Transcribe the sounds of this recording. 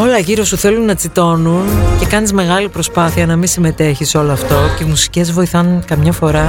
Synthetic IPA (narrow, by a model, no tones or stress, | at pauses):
o̞lɐʝiɾo̞suθe̞lunːɐt͡sit̪o̞nunce̞kɐnizme̞ɣɐlipɾo̞spɐθiɐnɐmisime̞t̪e̞çiso̞loɐft̪o̞ceimusi̥ce̞zvo̞iθɐnkɐmɲɐfo̞ɾɐ